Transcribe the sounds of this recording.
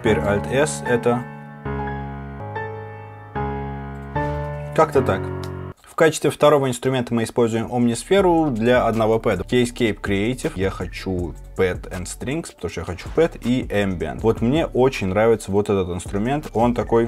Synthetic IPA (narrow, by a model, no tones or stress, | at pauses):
tʲɪ̥pʲeɾʲalʲt̪ɛsɛt̪ə | kakt̪ət̪akfkat͡ɕɪ̥st̪vʲɪft̪ɐɾovəɪnst̪ɾʊmʲe̞nt̪əmɨɪspo̞lʲzʊjɪmʔomnʲɪsfʲe̞ɾʊd̪lʲɐɐd̪nɐvo̞pɛd̪əjesʲt̚ʲkʲejpkɾʲɪejtʲɪfjaxɐt͡ɕu | pɛt̪ɛnst̪ɾʲiŋkspə̥t̪ɐmuʂt̪jaxɐt͡ɕu̥pɛt̪iʔɛmbʲɛ̰nt̪vo̞t̪mnʲe̞ʔo̞t͡ɕɪnʲnɾavʲɪt̪səvo̞t̪ɛt̪ət̪ɨnst̪ɾʊmʲe̞nt̪o̞nt̪ɐko̞j